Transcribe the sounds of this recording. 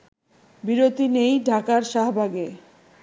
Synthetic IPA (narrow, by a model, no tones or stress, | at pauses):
biɾot̪inejɖʱakaɾʃaɦbʱaɡe